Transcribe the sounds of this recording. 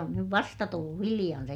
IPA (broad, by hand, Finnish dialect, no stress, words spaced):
on nyʋ ʋɑstɑ tulːu hilij̆ɑn se